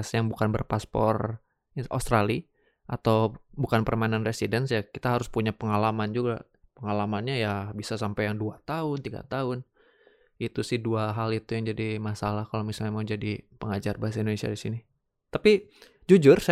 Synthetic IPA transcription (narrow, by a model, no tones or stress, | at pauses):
sjaŋbukanbə̰rpaspɔ̰r | ʔo̰st̪ɾali | ʔat̪awbukanpərmainanresidɛnsjakit̪aɦaɾʊspuɲapəŋalamand͡ʒuɡa | pəŋalamanɲajabisasampajaŋduat̪aʊnt̪iɡa̰t̪aɦʊn | it̪usɪhduaɦalit̪ujaŋd͡ʒadimasalahkalomisalɲamaud͡ʒadipəŋad͡ʒarbaɦas̬aindonesia̰disini | t̪api | d͡ʒud͡ʒʊrs